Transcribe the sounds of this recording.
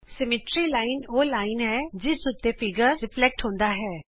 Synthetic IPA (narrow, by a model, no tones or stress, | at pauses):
sɛmɪʈɾilaːɪnoːlaːɪnɦɛːd͡ʒɪsʊt̪ːefɪɡəɾɾɪflɛk̚ʈɦõːnd̪aːɦɛː